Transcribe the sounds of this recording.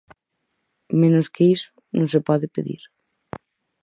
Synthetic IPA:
mẽnoskeiso̥ | nõsepɔðepeðḭɾ

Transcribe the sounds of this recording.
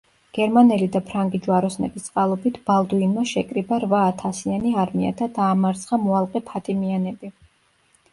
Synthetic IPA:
ɡ̥ɛɾmanɛlid̪apʰɾaŋɡid͡ʒuaɾɔsnɛ̰bist̪sʼqʼalˠɔbit̪ʰb̥alˠd̪uinmaʃɛkʼɾibaɾvaːt̪ʰasianiaɾmia̰d̪ʰad̪aːmaɾt̪sʰχamɔalˠqʼɛpʰat̪ʼimianɛbi

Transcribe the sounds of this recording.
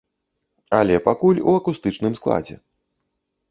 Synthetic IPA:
ɐlʲɛpakulʲuɐkust̪ɨt͡ʂnɨmsklˠa̰d͡zʲɛ̰

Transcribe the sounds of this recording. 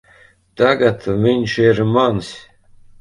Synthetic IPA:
t̪aɡat̪viɲʲʃiɾmansʲ

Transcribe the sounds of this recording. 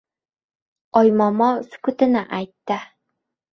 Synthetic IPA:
ɒjmɒmɒskɵt̪ɘ̆nɘʔæjt̪ːɘ

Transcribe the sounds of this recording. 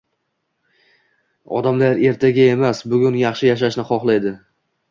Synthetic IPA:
ɒ̰d̪amlaɾe̞ɾt̪ʰaɡʲae̞masbʊɡʲʊnjɑχʃɪjaʃ̬aʃnɪχɒχlˠajd̪ɪ

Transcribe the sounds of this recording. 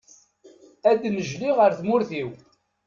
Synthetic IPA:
æd̪nəʒliʁəɾθmʊɾθiw

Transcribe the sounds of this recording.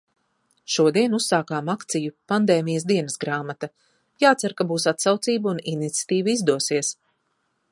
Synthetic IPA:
ʃuɔd̪iɛnusːaːkaːmakt̪sijupand̪eːmijasd̪iɛnɐsɡɾaːmat̪a | jaːt̪saɾkabuːsat̪sawt̪siːbuninit̪sʲḁt̪iːvuizd̪uɔsiɛs

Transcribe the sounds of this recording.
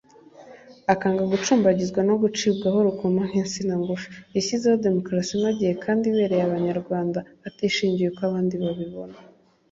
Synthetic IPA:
akaːŋɡaɡut͡ʃuːmbaɟizɡwano̞ɡut͡ʃiːbɡaho̞ɾukomaɦeːnsinaŋɡuʃḁisizawade̞mo̞kɾasinaɟije̞kʰaːndiβe̞ːɾe̞jaβaɲaɾɡwaːndaatiʃiːɲɟijekoaβaːndiβaβiβo̞na

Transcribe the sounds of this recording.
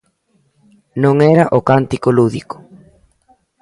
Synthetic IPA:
nõŋɛɾɐʔokant̪ikoluðiko̥

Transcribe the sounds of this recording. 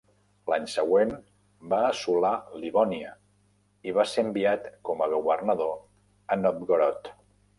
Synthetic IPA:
laɲsəɣwen | baːsulaliβɔniə | iβaseəmbiat̪kɔməɣuβərnəðo | ənɔp̚ɡoɾɔt̪

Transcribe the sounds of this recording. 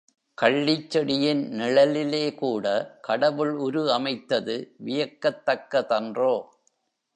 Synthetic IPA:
kɐɭːɪt͡ʃːɛɽɪjɪnnɪɭɐlɪleːkuːɽɐkɐɽɐʋɯɭʊɾɯɐmɐɪt̪ːɐðɯʋɪjɐkːɐt̪ːɐkːɐt̪ɐndroː

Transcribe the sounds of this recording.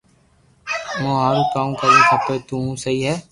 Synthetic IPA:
mõːɦaːɾũːkaːũːkəɾĩːkʰəpːeːt̪ũːɦũːsəɦiːɦɛː

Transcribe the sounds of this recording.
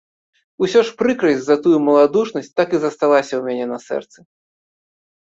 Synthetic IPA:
usʲɔʂpɾɨkɾɨzʲzɐt̪ujumɐlˠad̪uʂnɐsʲt̚ʲt̪akizɐst̪alˠasʲɐwmʲanʲɛnɐsɛ̰rt̪sɨ

